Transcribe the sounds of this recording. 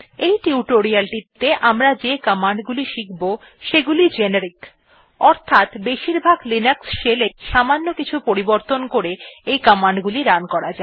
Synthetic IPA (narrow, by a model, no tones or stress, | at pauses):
ejʈiuʈoɾialʈit̪ːeʔamɾad͡ʑekəmaɳɖɡuliʃikbo | ʃeɡulid͡ʑeneɾik | ɔɾt̪ʰat̪beʃiɾbʱaɡlinəksʃeleʃamanːokit͡ɕʰupoɾiboɾt̪onkoɾeejkəmaɳɖɡuliɾankɔɾad͡ʑae